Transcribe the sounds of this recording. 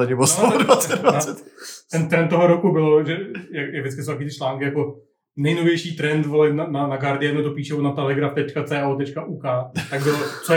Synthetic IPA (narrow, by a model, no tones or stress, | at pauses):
aɲɛbosoodvat͡sɛvat͡sɛt̪ɛnt̪ɾɛnt̪t̪ːoɦoɾokubɪloʒɛjakjaɡvdɪskɪsowt̪akit̪ɪt͡ʃlaːŋkɪjako | nɛjnovjɛjʃiːt̪ɾɛnt̪volɪt̪nananaɡaɾdɪjɛd̪not̪opiːʃɛonat̪ɛlɛɡɾaft̪ɛt͡ʃkat͡sɛːʔaot̪ɛt͡ʃkaʔuːkaːt̪aɡ̚bɪlot͡so